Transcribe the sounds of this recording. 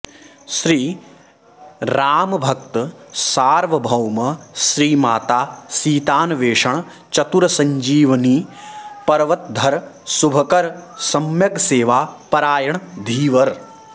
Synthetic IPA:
ʃɾiː | ɾaːmɐbʱɐk̚t̪saːɾʋɐbʱɐwmɐʃɾiːmaːt̪aːsiːt̪aːnɐʋeːʂɐɳ | t͡ʃɐt̪uɾɐsɐɲd͡ʒiːʋɐniːpɐɾʋɐt̪̚d̪ʱɐɾsubʱɐkɐɾsɐmjɐɡseːʋaːpɐɾaːjɐɳd̪ʱiːʋɐɾ

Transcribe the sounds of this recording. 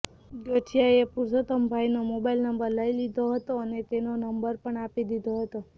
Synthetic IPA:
d͡ʒəʈʰijaepuɾsət̪əmbʱajnomobailnəmbəɾləilid̪ʱoɦət̪oənet̪enonəmbəɾpəɳapid̪id̪ʱoɦət̪o

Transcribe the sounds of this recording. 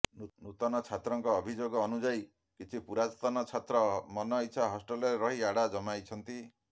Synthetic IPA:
nut̪ɔnɔt͡ʃʰat̪ɾɔŋkɔːbʱid͡ʒoɡɔːnud͡ʒaj | kit͡ʃʰipuɾast̪ɔnɔt͡ʃʰat̪ɾɔmɔnɔit͡ʃʰaɦɔsʈɔlɔɾeɾɔɦiaɽad͡ʒɔmajt͡ʃʰɔnt̪i

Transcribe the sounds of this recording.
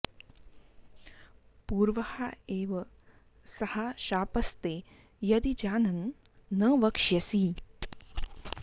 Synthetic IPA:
puːɾʋɐhaeːʋɐ | sɐhaʃaːpɐst̪e | jɐd̪id͡ʒaːnɐnː | ɐʋɐkʂjɐsi

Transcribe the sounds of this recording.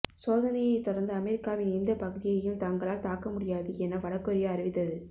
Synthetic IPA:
soːðɐnɐjɐɪt̪ɔɽɐɾnd̪ɯɐmɛɾɪkːaːʋɪnɪnd̪ɐpɐɣɯðɪjɐjɯmt̪ɐŋɡɐɭaːlt̪aːkɐmʊɽɪjaːðɯɛnːɐʋɐɽɐkːɔɾɪjaɐɾɯʋɪt̪ːɐðɯ

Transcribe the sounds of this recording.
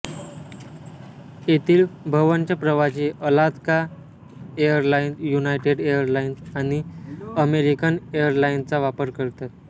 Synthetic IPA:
et̪iːlbʱəʋənt͡ɕapɾəʋat͡ɕiːʔəlad̪ka | ejəɾlainjunajʈeɖejəɾlainsaɽ̃iəmeɾikənejəɾlaint͡saʋapəɾkəɾt̪at̪̚

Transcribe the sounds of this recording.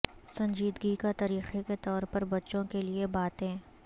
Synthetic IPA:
sɐ̃ɲd͡ʒiːd̪ɡikat̪ɐɾiːxeket̪ɔːɾpɐɾbɐtːʃõkeliebaːt̪ɦɛ̃ː

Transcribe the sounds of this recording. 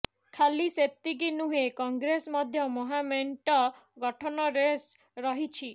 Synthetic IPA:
kʰaliset̪ːikinuɦekɔŋɡɾesmɔd̪ʱjɔmɔɦameɳʈɔɡɔʈʰɔnɔɾes | ɾɔɦit͡ʃʰi

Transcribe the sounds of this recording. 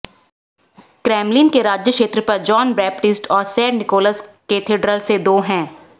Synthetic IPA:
kɾɛːmlinkeɾaːd͡ʒjəkʃeːt̪ɾəpɐɾd͡ʒɔːnbɛːp̚ʈɪsʈʰɔːɾsɛːɖnɪkoːləsket̪ʰeːɖɾəlsed̪oːɦɛ̃ː

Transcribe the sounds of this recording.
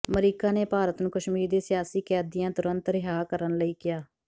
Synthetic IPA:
məɾiːkaːneːpaːɾət̪nũːkəʃmiːɾd̪eːsɪjaːsiːkɛːd̪ɪjãːt̪ʊɾə̃nt̪ɾɪɦaːkəɾənləiːkɪjaː

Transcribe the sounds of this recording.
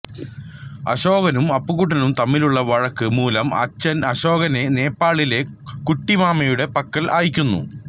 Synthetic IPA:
ɐ̰ɕo̞ːɣɐnumɐpːuɣuʈ̬ːɐnumt̪ɐmːiluɭːɐʋɐɻɐkːɨmuːlɐmɐ̰t͡ɕːɐnɐɕo̞ːɣɐne̞ne̞ːpːaːɭile̞ | kuʈːimaːmɐjuɽe̞pɐkːɐlʔaːjikʲːunːṵ

